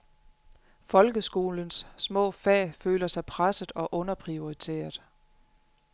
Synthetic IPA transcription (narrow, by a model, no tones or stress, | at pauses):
fɒ̽lɡ̥əsɡ̥o̝ːlənsːmɔ̰̽ːfɛ̰ːføːlɐsɑ̈ɪpʰʁasəð̩ˠɒ̽ʔɔ̽nɐpʰʁio̝it͡sʰe̝̰ːɐð̥̩ˠ